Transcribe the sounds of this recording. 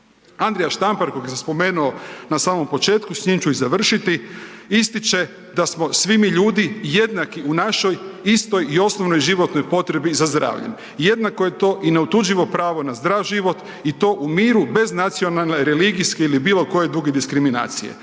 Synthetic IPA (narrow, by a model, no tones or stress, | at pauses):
and̪ɾejaʃt̪ampaɾkoɡjesaspo̞me̞ːnuonasaːmo̞mpo̞t͡ʃe̞ːt̪kusɲimt͡ʃuizaʋr̩ʃit̪i | ist̪it͡ʃe̞ | d̪asmo̞sʋimiʎuːd̪ije̞d̪nakiunaʃo̞jist̪o̞jio̞snoʋno̞jʒiʋo̞t̪nojpo̞t̪ɾe̞bizazd̪ɾa̰ːʋʎḛn | je̞d̪nakoje̞t̪o̞ːʔine̞ut̪ud͡ʒiʋo̞pɾaːʋo̞nazd̪ɾaʋʒiʋo̞t̪ | it̪o̞ːʔumiːɾube̞znat̪sio̞nalne̞ɾe̞liɡiskeilibiːlˠo̞ko̞je̞d̪ɾuɡed̪iskɾimina̰ːt̪sijḛ